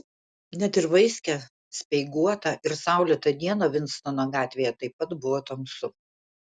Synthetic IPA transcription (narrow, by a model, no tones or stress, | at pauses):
nʲɛt̪ɪɾʋɐɪsʲkʲɛ | sʲpʲɛɪɡuɔt̪ɐʔɪɾsɑˑʊlʲɛt̪ɐd̪ʲiɛnɐʋʲɪnt̪st̪onoɡɑːt̪ʲʋʲeːjɛt̪ɐɪpːɐt̪bʊʋoːt̪ɐmsʊ